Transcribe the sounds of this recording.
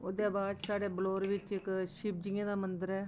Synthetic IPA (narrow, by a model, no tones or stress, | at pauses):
oːd̪eːbaːd̪saːɖeːbəloːɾʋɪt͡ʃɪkʃɪb̚d͡ʒɪːãːd̪aːmənd̪əɾɛː